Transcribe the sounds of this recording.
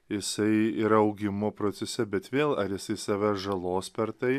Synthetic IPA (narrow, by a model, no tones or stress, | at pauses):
jɪsɐɪɪɾɐʊɡʲɪmopɾoːt̪sʲɛsʲɛbʲɛt̪ʋʲeːlˠɐɾjɪsɐɪsɑːʋʲæʒɐlˠoːspʲɛɾt̪ɐɪ